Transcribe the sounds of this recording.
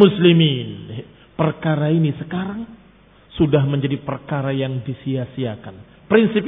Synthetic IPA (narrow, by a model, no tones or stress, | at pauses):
muslimin | pərkaɾainisəkaɾaŋ | sudahməɲd͡ʒadipərkaɾajaŋdisiasiakan | pɾinsip